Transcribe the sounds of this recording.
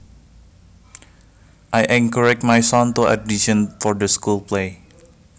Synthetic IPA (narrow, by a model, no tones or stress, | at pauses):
ʔajʔɛ̃ŋkəɹɛk̚tmajsɔ̃nt̪ua̰diʃə̃nfɔɹdəskulple